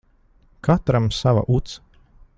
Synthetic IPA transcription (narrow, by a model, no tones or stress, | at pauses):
kʰat̪ɾamsava̰ʔut̪s